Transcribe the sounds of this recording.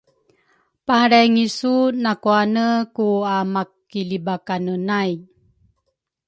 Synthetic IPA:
paɾajŋisunakuanəkuamakː | ilibakanənaj

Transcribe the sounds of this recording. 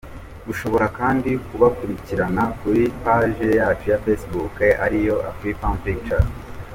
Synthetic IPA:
ɡuʃo̞βo̞ɾakaːndikuβakuɾiciɾanakuɾipaʒejaːt͡ʃujafesbukeʔaɾijo̞ʔa̰fɾikanpik̚t͡ʃa

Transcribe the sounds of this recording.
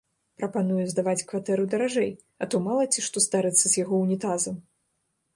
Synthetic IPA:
pɾɐpanujuzd̪avat͡sʲkvat̪ɛɾɨd̪ɐɾaʐɛj | ɐt̪ɔmalˠɐt͡sʲiʂt̪ɔst̪aɾɨt̪sːɐzʲjaɣɔwnʲit̪azɐm

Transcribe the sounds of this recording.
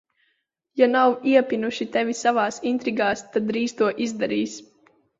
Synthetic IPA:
janawiɛpʲinuʃit̪ɛvʲisavaːsint̪ɾiɡaːst̪ad̪ɾiːst̪uɔʔizd̪aɾiːs

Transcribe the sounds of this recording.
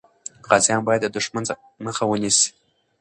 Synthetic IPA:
qazambajtʼadɨʂmɨ | mɨχawʊnʲis

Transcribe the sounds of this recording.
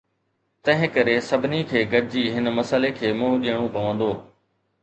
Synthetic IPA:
t̪ɐ̃ɦɪ̃kɐɾesɐbʱɪnikʰeːɡɐɖd͡ʑiːɦɪnmɐsəlekʰeːmʊ̃ɦʊ̃ɗijəɽ̃ũbʱɐʋə̃ːnd̪oː

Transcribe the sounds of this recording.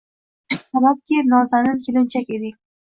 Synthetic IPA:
sabap̚kʲenɒzanɪnkʰʲelɪnt͡ʃʰakʲed̪ɪ

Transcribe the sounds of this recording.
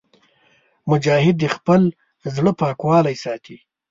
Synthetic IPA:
mʊd͡ʒɑːhɪd̪ːexpəl | zɽəpɑːkwɑːlajsɑːt̪ʰi

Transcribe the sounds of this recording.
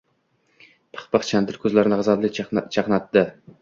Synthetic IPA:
pʰɨ̥χpɨχt͡ʃʰand̪ɪɾkʲʰɵzlæɾnɪʁɨzɑd̪lˠɪt͡ʃʰɑχnɑt̪ːɪ

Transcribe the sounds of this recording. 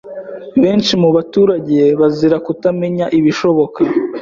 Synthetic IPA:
βe̞ːnt͡ʃimuβatuːɾaɟe̞βaziɾakutame̞ɲaʔiβiʃo̞βo̞ka

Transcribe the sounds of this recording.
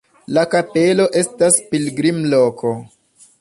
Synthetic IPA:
lakape̞lo̞ʔe̞staspilɡɾimlo̞kʰo

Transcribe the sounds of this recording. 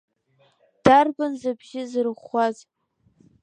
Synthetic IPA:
d̥arbɨnzɨbʒɪzɨrχaz

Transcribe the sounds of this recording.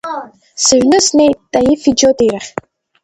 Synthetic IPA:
sɨʒᶣnɨsne̞jt̚ːʼajifid͡ʒotʼejɾaχʲ

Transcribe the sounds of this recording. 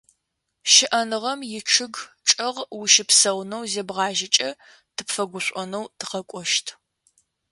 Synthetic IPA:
ʃɪʔɐnɨʁɐmjɪʈ͡ʂʰɨɡʈ͡ʂʼɐʁwʊʃɪpsɐwnɐwzeːbʁɑːʒɪt͡ʃʼɐ | tʰɨpfɐɡʷʊɕʷʼɔnɐwtʰɨ̥qɐkʷʼɔʃtʰ

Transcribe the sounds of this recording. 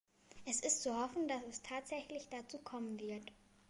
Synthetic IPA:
ʔɛsɪstt͡suhɔfn̩dasɛstʰaːtz̥ɛçlɪçd̥at͡suːkʰɔmənvɪɐt

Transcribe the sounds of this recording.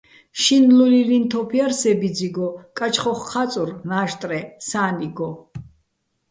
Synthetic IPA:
ʃinlulilint̪ʰɔpʰiaɾsɛbid͡ziɡɔkʼat͡ʃʰχɔχqʰːat͡s̪ʼurnaːʃt̪ʼɾɛsaːniɡɔ

